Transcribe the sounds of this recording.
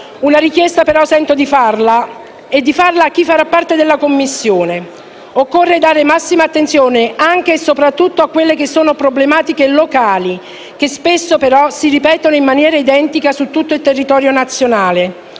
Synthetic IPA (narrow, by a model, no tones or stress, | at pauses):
unaɾikjɛst̪apeɾɔsɛnt̪od̪ifarla | ed̪ːifarlaːk̟ːifːaɾapːart̪ed̪elːakomːisːjoːne | okːorːed̪aːɾemasːimaːt̪ːent̪sjoːneaŋk̟esopɾat̪ːut̪ːoakːwelːekesːoːnopɾoblemaːt̪ikelokaːli | k̟espesːopeɾɔsiɾipɛːt̪onoimːanjɛːɾaid̪ɛnt̪ikasut̪ːut̪ːoilt̪erːit̪ɔːɾjonat̪sːjonaːle